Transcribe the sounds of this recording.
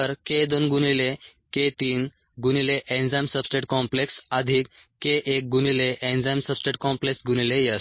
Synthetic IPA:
əɾked̪onɡunile | ket̪iːn | ɡunileʔend͡zamsəbsʈeʈkɔ̃mpleksad̪ʱiːkː | eʔek̚ɡunileʔend͡zamsəbsʈeʈkɔ̃mpleksɡunilejəs

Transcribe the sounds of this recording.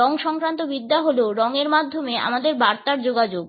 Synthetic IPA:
ɔŋʃɔŋkɾant̪obid̪ːaɦoloɾɔŋeɾmad̪ʱːomea̰mad̪eɾbaɾt̪aɾd͡ʑoɡad͡ʑoɡ

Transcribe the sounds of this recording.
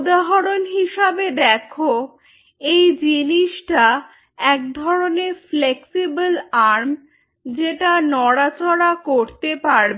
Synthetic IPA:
d̪aɦoɾonɦiʃabed̪ɛkʰo | ejd͡ʑiniʃʈa | ɛk̚d̪ʱɔɾoneɾfleksibalaɾm | d͡ʑeʈanɔɽat͡ɕɔɽakoɾt̪epaɾbe

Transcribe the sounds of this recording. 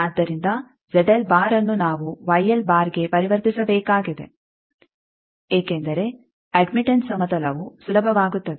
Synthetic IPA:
ɐːd̪ːɐɾind̪ɐ | d͡ʒɛɖɐlbaːɾɐnːunaːʋuʋɐjɐlbaːɾɡe̞pɐɾiʋɐɾt̪isɐbɛːkaːɡid̪e̞̰ | eːkend̪ɐɾe̞ | ɐɖmiʈeɳʈsɐmɐt̪ɐlɐʋusulɐbʱɐʋaːɡut̪ːɐd̪e

